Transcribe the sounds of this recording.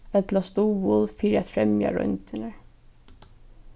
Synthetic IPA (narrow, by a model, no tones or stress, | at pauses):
ɛt̪last̪uːʋʊðfiːɾæt̪fɾɛmja̰ɹœ̰nt̪ɪnə